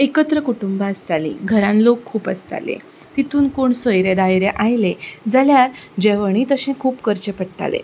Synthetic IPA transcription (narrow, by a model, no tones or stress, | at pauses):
ekət̪ɾəkuʈumbaəst̪alḭːɡʱəɾãnlokʰːuːpə̰st̪a̰lḛ̃ | t̪it̪uːnkoɳsəjɾed̪ajɾeʔajled͡zaljaɾd͡ʑeʋəɽ̃it̪əɕẽkʰuːpkəɾt͡ɕepəʈʈa̰lḛ